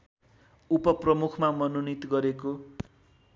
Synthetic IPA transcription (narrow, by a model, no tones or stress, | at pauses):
upʌprʌmukʰmamʌnonit̪ɡʌɾeko